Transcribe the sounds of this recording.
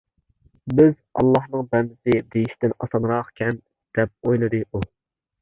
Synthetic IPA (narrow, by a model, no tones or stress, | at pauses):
bɪzɑ̰lˠːɑhnɨŋbɛnd̪ɪsɪd̪ejiʃt̪ɪnɑsɑnɾɑqkʲʰɛn | d̪̥ɛp̚ojlˠɨd̪ɨu